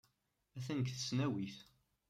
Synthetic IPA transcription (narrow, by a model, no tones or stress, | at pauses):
æθænəkθəsnæwiθ